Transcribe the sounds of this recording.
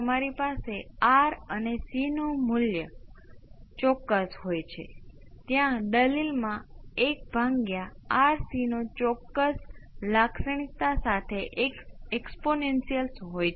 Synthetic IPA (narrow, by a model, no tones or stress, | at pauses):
əmaɾipaseaɾənesinomʊljə | t͡ʃɔkːəsɦojt͡ʃʰe | t̪jãɖəlilmãek̚bʱaŋɡjaːɾsinot͡ʃɔkːəslaksəɳ̃it̪asat̪ʰeʔekeksponensijəlsɦoj